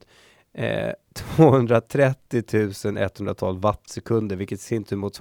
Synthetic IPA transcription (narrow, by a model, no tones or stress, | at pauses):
t̪ʰvoːhɵnd̪ɾat̪ʰɾɛt̪ːɪt̪ʰʉ̟ːsənʔɛ̰t̪ːhɵnd̪ɾat̪ʰɑ̰ːlvat̪ːsɛkʰɵnd̪əɾvɪlkət̪sɪnt̪ʰɵmʊt̪s